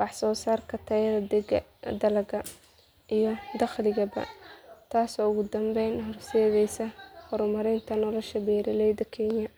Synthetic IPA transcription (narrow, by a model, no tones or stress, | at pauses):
wɑħsɔːsaːrkʰɐt̪ʰɐjɐðɐd̪ɛɡɐ̰d̪ɐlɐɣɐ | ʔijɔd̪ɑχlɪɣɐbɐ̰t̪ʰaːsɔːʊɣʊd̪ɐmbɛjnɦɔrsɛːðɛjsɐhɔɾʊmɐɾɪnt̪ʰɐnɔlɔʃɐbɛːɾɪlɛjd̪ɐkʰɛnjɐ